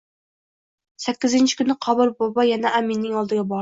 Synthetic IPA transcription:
sɛkʲːɪzɪnt͡ʃʰɪ̥kʲynɨqʰɑbɨɾbɑbɑjɛnɛʔæminːɪŋɑlˠd̪ɨɡʲɛbɑ

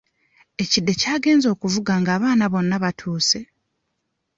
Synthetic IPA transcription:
e̞cidːe̞caːɡe̞ːnzo̞ːkuvuɡaŋɡaːβaːnaβo̞nːaβatʰuːse̞

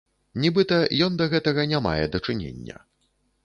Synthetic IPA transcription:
nʲibɨt̪ɐjɔnd̪ɐɣɛt̪ɐɣɐnʲama̰jɛ̰d̪ɐt͡ʂɨnʲḛnʲːɐ̰

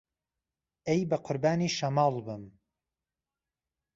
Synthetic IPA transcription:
ejbɐqʰʊɾbaːniːʃɐmɑːlbɨm

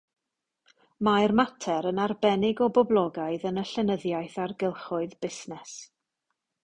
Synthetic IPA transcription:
majrmatʰɛɾənarbɛnɪɡɔbɔblˠɔɡaɨðənəɬɛnəðjajθarɡɪlˠχʊɨðbɪsnɛs

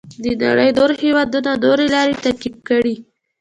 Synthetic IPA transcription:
d̪əna̰ɽəjd̪oɾhewɑd̪unadoɾelɑɾet̪akib̚kəɽi

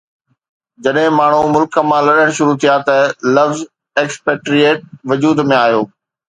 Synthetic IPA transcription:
d͡ʑɐɗɦɪ̃maːɳ̤̃umʊlkəmãlɐɗəɽ̃ʃʊɾut̪ʰijat̪ɐlɐʋz | eːkspeːʈɾieːʈ̚ʋɐd͡ʑuːd̪mẽaːɦijoː

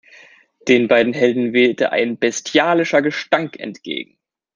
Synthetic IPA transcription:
d̥eːnbaɪdn̩ɦɛldn̩vɛːltəʔa̰ɪnbɛstʰjaːlɪʃɐɡəʃtaŋkʰɛ̰ntɡ̥ḛːɡŋ̩

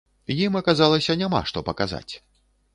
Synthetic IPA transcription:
jimɐkazalˠɐsʲɐnʲama̰ʂt̪ɔpɐkaza̰t͡sʲ

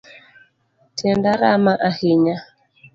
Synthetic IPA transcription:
tʰɛndaɾamaʔahiɲa

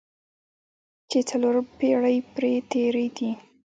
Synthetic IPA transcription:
t͡ʃet͡saloɾpeɽəjpɾet̪eɾed̪i

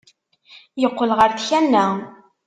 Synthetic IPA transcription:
jəqːəlʁəɾθçænːæ

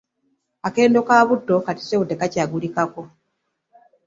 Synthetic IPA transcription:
ake̞ːndo̞kaːβudːo̞kati̥sewude̞kacaːɡulikako̞

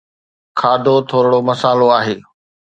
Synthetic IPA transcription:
kʰaːd̪ʱot̪ʰoːɾɪɽomɐsaːloaːɦeː

